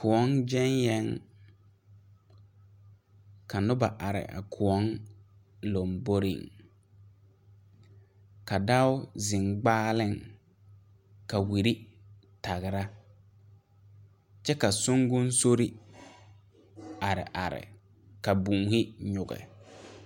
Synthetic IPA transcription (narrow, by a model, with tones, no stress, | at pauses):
kʊ˨ɔ˦nd͡ʒɛ˦njɛ˦ŋ | ka˨nʊ˦ba˨ʔa˨ɾɪ̰˨ʔa̰˨kʰʊ˨ɔ˦ŋ | lo˨mbo˦ɾɪ̰˨ŋ | ka˨da˦ʊ˦zɪ˨ŋɡ͡baː˦lɪ˦˨ŋ | ka˨wi˨ɾi˦ | ta˨ɣɪ˨ɾa˦ | t͡ʃɛ˦ka˨sʊ˦ŋɡʊ˦n˦so˦ɾi˦ | a˨ɾɪ̰˨ʔa˨ɾɪ̰˨ | ka˨bũː˨hɪ˦ɲʊ˨ɡɛ̰˨